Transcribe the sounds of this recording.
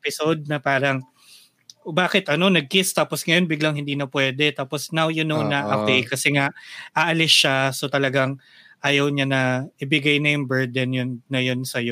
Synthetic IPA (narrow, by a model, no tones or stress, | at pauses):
pɪsod̪̚nɐpaːɾɐŋ | baːkɪt̪ʔɐno̞nɐɡ̚kɪst̪aːposŋɐjo̞nbɪɡlɐŋhɪnd̪iːnɐpwɛːd̪ɛt̪aːposnawjʊnownɐʔɐp̪ejkɐsɛŋaʔʔaʔɐlɪsʃaso̞t̪ɐlɐɡaŋ | ʔaːjɐwɲanɐʔɪbɪɡajnɐjʊŋbɛɹd̪ɛnjʊnːɐjo̞nsɐjo